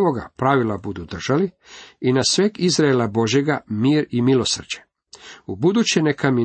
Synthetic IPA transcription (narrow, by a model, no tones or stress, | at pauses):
ʋoɡa̰pɾaʋilˠabud̪ud̪r̩ʒ̥ali | inasʋeːɡizɾaelabo̞ʒje̞ɡamiːɾimilo̞sr̩d͡ʑe | ubud̪ut͡ɕenekami